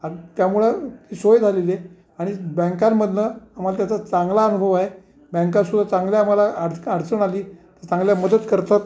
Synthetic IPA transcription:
at̪jamuɭat̪isojd͡zʱalele | aɽ̃ibə̃ŋkamːəd̪ʱnəam̤alat̪jat͡sat͡saŋɡlaənubʱəʋaɦe | bə̃ŋkasud̪ʱːat͡saŋɡljaːm̤alaaɽaɽt͡səɳaliːt̪əɾt͡sãŋɡljaməd̪ət̪kəɾt̪at̪

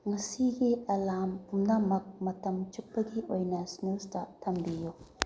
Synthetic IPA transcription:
ŋɐsiɡiɐlampumnamɐk̚mɐtɐmt͡ʃuk̚pɐɡiʔojnɐsnustɐtʰɐmbiju

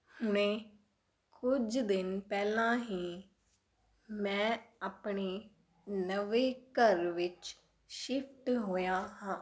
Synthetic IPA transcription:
hʊnẽː | kʊd͡ʒd̪ɪnpɛːlãːɦiː | mɛ̃ːaːpɳeː | nəʋeːkəɾʋɪt͡ʃ | ʃɪpʰʈɦoːjaːɦãː

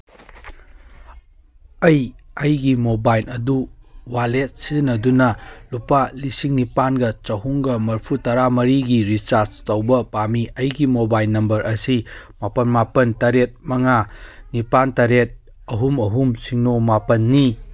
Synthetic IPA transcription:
ɐjɐjɡimobajlɐduwalet̚sinɐdunɐlupalisiŋnipanɡɐt͡ʃɐɦuŋɡɐmɐɾpʰutɐɾamɐɾiɡiɾit͡ʃaɾt͡ʃtɐwbɐpamiɐjɡimobajlnɐmbɐɾʔɐsimapɐnmapɐntɐɾet̚mɐŋanipantɐɾet̚ | ɐɦumɐɦumsiŋnomapɐnːi

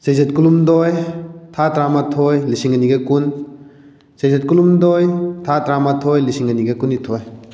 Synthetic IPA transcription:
sejzet̚kulumdojtʰatɾamatʰojlisiŋɐniɡɐkun | sejzet̚kulumdojtʰatɾamatʰojlisiŋɐniɡɐkunːitʰoj

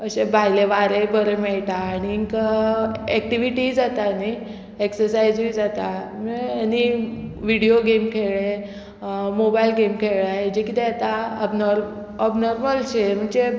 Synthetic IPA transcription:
əɕebʱajleʋaɾebəɾemɛɭʈ̪aːɽ̃iːŋkaɛk̚ʈiʋiʈid͡zat̪ani | eksəɾsajd͡zuid͡zat̪ameaniʋiɽioɡemkʰeɭe | mobailɡemkʰeɭad͡ʑikit̪ɛat̪aəbnɔɾ | ɔbnɔɾməlɕem̤əɳd͡ze

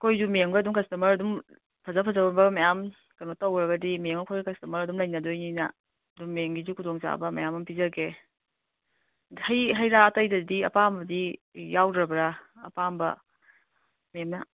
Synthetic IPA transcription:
kʰojzumeŋbɐdumkɐstumɐɾɐdum | pʰɐzapʰɐzabɐmbɐmɐjam | kɐn̚tɐwɡɾɐɡɐdimeŋɐkʰojɡkɐstumɐɾɐdumlɐjnɐdojninɐ̰ | ɐduŋmeŋɡizukʰudoŋza̰bɐmɐ̰jamɐmpizɐɡe | hɐjɦɐjɾaːtɐjdɐdiɐ̰pambɐdijawdɾɐbɐɾa̰ːpambɐ̰ | memnɐ

